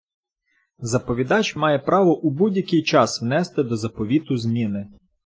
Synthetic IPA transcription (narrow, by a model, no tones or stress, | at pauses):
zɐpɔʋʲid̪ɑt͡ʃmɑjɛpɾɑʋɔʔubudʲjɐkɪjt͡ʃɑswnɛst̪ɪd̪ɔzɐpɔʋʲit̪ʊzmʲinɪ